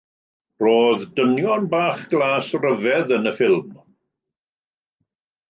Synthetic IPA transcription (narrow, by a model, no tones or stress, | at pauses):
roːðdənjɔnbaːχɡ̥lˠaːsrəvɛðənəfɪlˠm